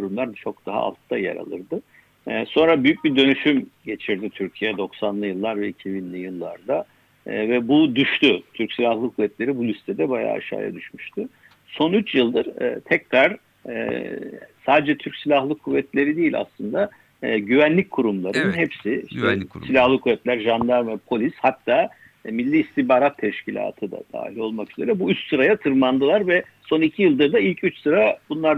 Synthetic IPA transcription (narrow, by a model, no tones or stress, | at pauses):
kʰuɾumlˠaɾd̪t͡ʃʰo̞k̚d̪̥aɦa̰a̰lˠt̪ʰːajḛɾa̰lˠɯ̰ɾd̪ɯ | so̞nɾabyjyc̚bid̪ø̞nyʃymɟe̞t͡ʃʰiɾd̪it̪ʰyɾcʰijɛd̪o̞ksanlˠɯjɯlˠːaɾvɛicʰibinlʲijɯlˠːa̰ɾd̪a | vɛbud̪yʃt̪yt̪ʰyɾcsilʲahlˠɯkʰuvːɛt̪lʲe̞ɾibulʲist̪ʰɛd̪ɛbaja̰ːa̰ʃa̰ːja̰d̪yʃmyʃt̪ʰʊ | so̞nyt͡ʃjɯlˠd̪ɯɾ̥̰t̪ʰɛcɾaɾ̥̰ | saːd̪ɛd͡ʒɛt̪ʰyɾcsilʲaxlˠɯkʰuvːɛt̪ʰlʲe̞ɾid̪ejilʲa̰slˠɯnd̪a | ɟyvænlʲic̚kʰuɾumlˠaɾɯnɯnɦɛpsɪiʃt̪ʰɛssilʲahlˠɯkʰuvɛt̪lʲæɾʒand̪aɾmvɛpʰo̞lʲishat̪ʰːaː | milʲːiːst̪ibaːɾat̪ʰːɛʃcʰilʲa̰ːt̪ʰɯd̪a̰d̪̥a̰ːhilʲo̞lˠmakyze̞ɾɛbuyt͡ʃsɯɾajat̪ʰɯɾmand̪ɯlˠaɾvɛ | so̞nicʰijɯlˠd̪ɯɾd̪ailʲcʰyt͡ʃsɯɾabunlˠaɾ